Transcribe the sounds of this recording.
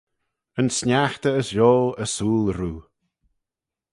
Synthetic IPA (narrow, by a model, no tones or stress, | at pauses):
ənsnʲaxt̪əːsjoːəsuːlˠɾuː